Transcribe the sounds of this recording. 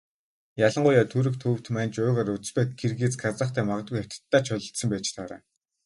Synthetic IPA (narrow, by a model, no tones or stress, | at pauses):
jaɮə̆ɴɢʊjaːt̪ʰuɾɘ̆kt̪ʰɵːw̥t̪mæːnt͡ɕʊːʁaːrut͡s̆spæːt̪̚ɡerɣeːt͡sɡat͡sə̆χt̪ʰæːmaʁə̆t̪̚ujaw̥ʲt̪ə̥̆t̪ːaːt͡ɕʰœɮʲə̆ɬt̪sə̆mpæːt͡ɕt̪ʰaɾæ̰ː